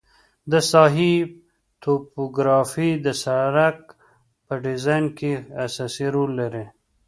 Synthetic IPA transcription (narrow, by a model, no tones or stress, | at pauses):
d̪əsɑɦi | t̪ʰopoɡɾɑfid̪əsaɾak̚ | pəɖɪzɑjnkeasɑsiɾolːaɾe